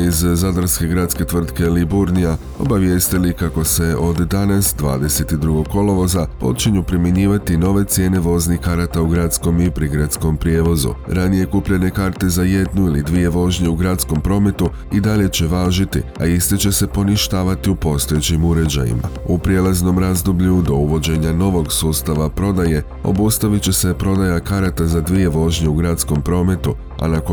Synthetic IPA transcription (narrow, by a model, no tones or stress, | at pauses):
izzad̪ɾske̞ɡɾad̪ske̞t̪ʋr̩t̪ke̞libuɾnija | o̞̰baʋje̞ːst̪ilikako̞se̞o̞d̪ːanasd̪ʋa̰ːd̪e̞se̞t̪id̪ɾuɡo̞ɡkːo̞lo̞ʋo̞zapo̞t͡ʃiɲupɾimje̞ɲiːʋat̪ino̞ʋe̞t̪sje̞ːne̞ʋo̞znikaɾat̪auɡɾat̪sko̞mipɾiɡɾat̪sko̞mpɾjeːʋo̞zṵɾanije̞kupʎe̞ne̞kaːɾt̪e̞zaje̞d̪nuilḭd̪ʋie̞ʋo̞ʒɲe̞uɡɾat̪sko̞mpɾo̞ːme̞t̪u | id̪aʎe̞t͡ɕe̞ʋaːʒit̪ḭa̰ist̪e̞t͡ɕe̞se̞po̞niʃt̪aːʋat̪iupo̞st̪o̞je̞t͡ɕimuɾe̞d͡ʑa̰jḭma̰upɾije̞lˠazno̞mɾazd̪obʎud̪o̞uʋo̞d͡ʑe̞ɲano̞ʋo̞ɡsuːst̪aʋapɾo̞d̪aje̞ | o̞̰bust̪aʋit͡ɕe̞se̞pɾo̞d̪ajakaɾat̪azad̪ʋije̞ʋo̞ʒɲe̞uɡɾat̪sko̞mpɾo̞ːme̞t̪u | a̰nako